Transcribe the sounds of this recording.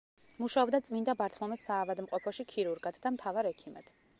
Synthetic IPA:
muʃaɔbd̪at̪sʼmind̪abaɾt̪ʰlˠɔmɛsaːvad̪mqʼɔpʰɔʃikʰiɾuɾɡad̪d̪amt̪ʰavaɾɛkʰimɛd̪̥

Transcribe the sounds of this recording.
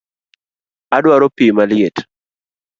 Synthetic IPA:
adwaɾopimaljet

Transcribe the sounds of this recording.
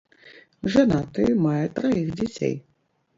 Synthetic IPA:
ʐanat̪ɨmajɛt̪ɾaixd͡zʲat͡sʲḛj

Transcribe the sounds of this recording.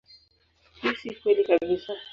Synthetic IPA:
hisikwɛlikabisa

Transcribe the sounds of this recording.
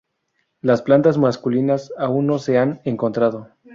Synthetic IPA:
lasplant̪azmaskulinasaunːo̞se̞aneŋko̞nt̪ɾaðo̞

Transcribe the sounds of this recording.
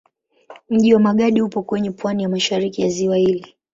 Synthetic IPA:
m̩ʄiwamaɠaɗihupɔkwɛɲɛpwanijamaʃaɾikijaziwahili

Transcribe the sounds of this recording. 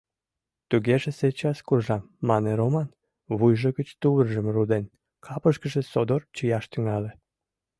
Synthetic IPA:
t̪uɣeʒeset͡ɕɑskurʒɑmːɑneɾomɑn | βujʒəɣət͡ɕt̪uβərʒəmrud̪en | kʰɑpəʃkəʒesod̪ort͡ɕəjɑʃt̪yŋɑle

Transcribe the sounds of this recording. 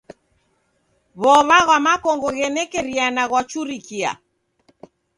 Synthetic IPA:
βɔβaɣwamakɔŋɡɔɣɛnɛkɛɾianaɣwat͡ʃuɾikia̰

